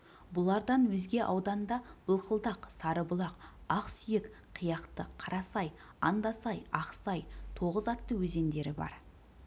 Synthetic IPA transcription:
bʊlˠɑɾd̪ɑnwɵzɡʲe̞ʔɑwd̪ɑnd̪ɑb̥əlˠqʰəlˠd̪ɑqsɑɾəbʊlˠɑqɑqsʏjek | qʰijɑqt̪əqʰɑɾɑsɑj | ɑnd̪ɑsɑjɑqsɑjt̪ʰo̞ʁəzɑt̪ːəwɵze̞nd̪e̞ɾɪbɑ̰ɾ

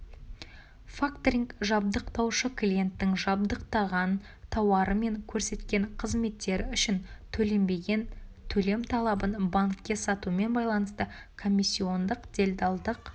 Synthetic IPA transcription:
fakt̪ɾʲiŋkʒɑb̚d̪əqt̪ɑwʃəkʰlʲije̞nt̪ːɪŋʒɑbd̪əqt̪ɑʁɑn | t̪ʰɑwɑɾəme̞ŋkʲʰɵɾse̞t̪kʲe̞ɴqʰəzme̞t̪ːe̞ɾɪʏʃɪnt̪ʰɵle̞mbe̞ɡʲe̞nt̪ʰɵle̞mt̪ʰɑlˠɑbənbaŋkʲːe̞sɑt̪uəme̞nbɑjlˠɑnəst̪ə | kʰo̞mʲːisʲːio̞nd̪əqd̪̥ʲe̞lʲd̪ɑlˠd̪əq

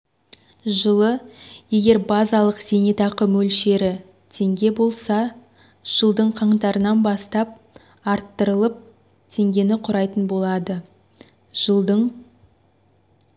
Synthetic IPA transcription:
ʒəlˠəje̞ɡʲe̞ɾbɑzɑlˠəqz̥e̞net̪ɑqəmɵlʃe̞ɾɪ | t̪ʰe̞ŋɡʲe̞bo̞lˠsɑ | ʒ̥əlˠd̪əɴqʰɑɴt̪ɑɾənɑnbɑst̪ɑp̚ | ɑɾt̪ːəɾəlˠəp̚ | t̪ʰe̞ŋɡʲe̞nɪqʰʊɾɑjt̪ənbo̞lˠɑd̪ə | ʒəlˠd̪əɴ

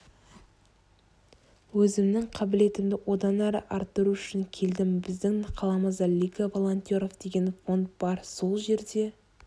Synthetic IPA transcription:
wɵzɪmnɪŋqʰɑbɪle̞t̪ɪmd̪ɪwʔo̞d̪ɑnæɾə̰ʔɑɾt̪ːəɾuʏʃɪŋkʲʰe̞ld̪ɪmbɪzd̪ɪŋqʰɑlˠɑməzɑlʲːikavo̞lˠont̪ʲjo̞ɾo̞vd̪̥e̞ɡʲe̞nfo̞nt̪̚bɑɾso̞lˠʒe̞ɾd̪e̞

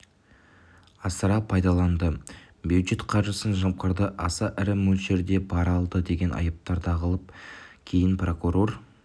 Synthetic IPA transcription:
ɑsəɾɑpʰɑjd̪ɑlˠɑnd̪ə | bjud̪ʒe̞t̪qʰɑɾʒəsənʒɑm̚qəɾd̪əʔɑsɑʔɪɾɪmɵlʃe̞ɾd̪e̞bɑɾɑlˠd̪əd̪e̞ɡʲe̞nʔɑ̰jəp̚t̪ɑɾd̪ʰɑʁəlˠəp̚kʲʰe̞jɪnpro̞kuɾo̞r

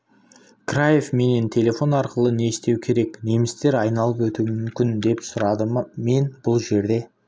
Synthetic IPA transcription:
krajefme̞ne̞nt̪ʰe̞lʲe̞fo̞nɑɾqəlˠəne̞st̪e̞wkʲʰe̞ɾe̞kne̞mɪst̪e̞ɾɑjnɑlˠəpwɵt̪umʏmkʲɪnd̪e̞psʊɾɑd̪əme̞nbʊlˠʒe̞ɾd̪e̞

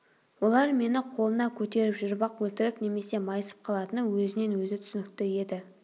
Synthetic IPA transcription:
wo̞lˠɑɾme̞nɪqʰo̞lˠənɑkʲʰɵt̪e̞ɾɪpʒʏɾbɑqwɵlt̪ɪɾɪpne̞me̞se̞mɑjəsə̥p̚qʰɑlˠɑt̪ənəwɵzɪne̞nwɵzɪt̪ʰʏ̥sɪnɪk̚t̪ɪje̞d̪ɪ

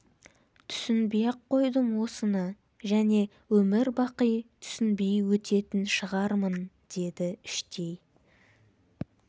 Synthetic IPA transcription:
t̪ʰʏ̥sɪnbijɑqqʰːo̞jd̪əmwo̞sənə | ʒæne̞ | wɵmɪɾbɑqəjt̪ʰʏ̥sɪnbejwɵt̪ʰe̞t̪ɪnʃəʁɑɾmən | d̪̥e̞d̪ɪɪʃt̪e̞j

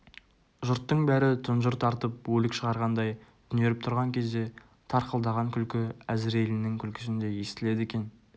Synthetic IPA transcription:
ʒʊɾt̪ːəɴbæɾɪt̪ʰʊnʒʊɾt̪ʰɑɾt̪əp̚wɵlɪkʃəʁɑɾʁɑnd̪ɑjt̪ʰʏne̞ɾɪp̚t̪ʰʊɾʁɑŋkʲʰe̞zd̪e̞ | t̪ʰɑɾqəlˠd̪ɑʁɑŋkʲʰʏlkʲɪæzɪɾe̞lɪnɪŋkʲʰʏlkʲʰɪ̥sɪnd̪e̞je̞st̪ɪle̞d̪ekʲe̞n

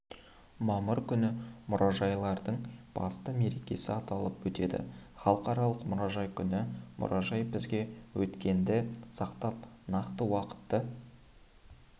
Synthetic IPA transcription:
mɑməɾkʲʰʏnɪmʊɾʔɑʒɑjlˠɑɾd̪əɴb̥ɑ̰st̪əme̞ɾe̞kʲe̞sɪɑt̪ɑlˠəpwɵt̪e̞d̪ɪ̰χɑlˠəqɑɾɑlˠəqmʊɾɑʒɑjkʲʰʏnɪmʔʊ̰ɾʔɑʒɑjbɪzɡʲe̞wɵt̪kʲe̞nd̪ɪsɑqt̪ɑp̚ | nɑqt̪əwɑqə̥t̪ːə

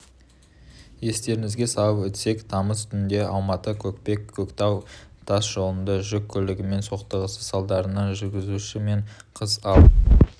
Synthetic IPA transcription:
je̞st̪e̞ɾɪŋɪzɡʲesɑəpʏt̪se̞kt̪ʰɑməst̪ʏɪnd̪e̞ʔɑlˠmɑt̪əkʲʰɵkpe̞kʲʰːɵkt̪ɑwt̪ʰɑsʒ̥o̞lˠənd̪əʒʏkʲʰːʏlɪɡʲɪme̞nso̞qt̪əʁəsəsɑlˠd̪ɑɾənɑʒʏɾɡʲɪzuʃɪme̞ɴqʰəzɑw̪

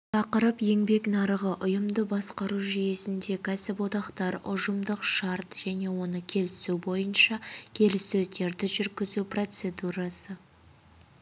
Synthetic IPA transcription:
t̪ʰɑqəɾəpje̞ŋbe̞knɑɾəʁəʔʊjəmd̪əbɑsqɑɾuʒije̞sɪnd̪e̞kʲʰæsɪpwo̞d̪ɑqt̪ɑɾʊʒəmd̪əqʃɑɾt̪ʒ̥æne̞wo̞nəkʲʰe̞lɪsubo̞jənʃɑkʲʰe̞lɪsɵzd̪e̞ɾd̪ɪʒʏɾɡʲɪzupro̞t̪se̞d̪uɾɑsə

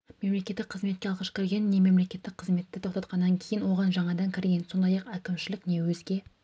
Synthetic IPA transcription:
me̞mle̞kʲe̞t̪ːɪk̚qʰəzmet̪kʲe̞ɑlˠʁɑʃkʲʰɪɾɡʲe̞nːe̞me̞mle̞kʲe̞t̪ːɪk̚qʰəzme̞t̪ːɪt̪ʰo̞qt̪ɑt̪̚qɑnːɑŋkʲʰe̞jɪnwo̞ʁɑnʒɑɴɑd̪ɑŋkʲʰɪɾɡʲe̞nso̞nd̪ɑjɑqækʲɪmʃɪlɪkne̞wɵzɡʲe̞

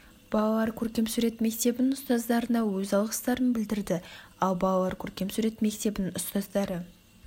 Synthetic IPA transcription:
b̥ɑlˠɑlˠɑɾkʲʰɵɾkʲe̞msʉɾe̞t̪me̞k̚t̪e̞bɪnnʊst̪ɑzd̪ɑɾənɑwɵzɑlˠʁə̥st̪ɑɾənbɪld̪ɪɾd̪ɪɑlˠbɑlˠɑlˠɑɾkʲʰɵɾkʲe̞msuɾe̞t̪me̞kt̪e̞bɪnʊst̪ɑzd̪ɑɾə

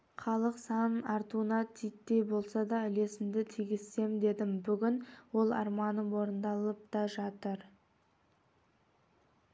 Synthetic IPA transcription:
χɑlˠəqsɑnɑɾt̪uənɑt̪ʰijt̪ːe̞jbo̞lˠsɑd̪ɑʏle̞sɪmd̪ɪt̪ʰijɡʲɪsːe̞md̪e̞d̪ɪmbʏɡʲɪnwo̞lˠɑ̰ɾmɑnəwo̞ɾənd̪ɑlˠəp̚t̪ɑʒɑt̪əɾ

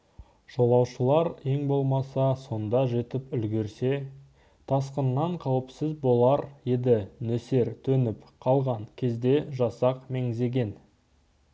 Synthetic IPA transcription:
ʒ̥o̞lˠɑwʃəlˠɑɾe̞ŋbo̞lˠmɑsɑso̞nd̪ɑʒe̞t̪ɪpʏlɡʲe̞ɾse̞ | t̪ʰɑsqənːɑɴqʰɑwəpsɪzbo̞lˠɑɾjed̪ɪnɵse̞ɾt̪ʰɵnɪpqʰɑlˠʁɑɴkʲʰe̞zd̪e̞ʒɑsɑqme̞ŋze̞ɡʲe̞n

